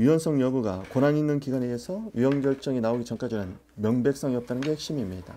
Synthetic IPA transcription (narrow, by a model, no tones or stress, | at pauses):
ɥiwʌns͈ʰʌŋjʌbuɡa̰konaɲinːɯnkiɡaneesʰʌɥiwʌŋɡjʌɭt͡ɕ͈ʌŋinaoɡit͡ɕʌŋk͈ad͡ʑinɯn | mjʌŋbe̞k̚s͈ʌŋiʌp̚t͈anɯnɡe̞hek̚ɕ͈imimɲid̥a̰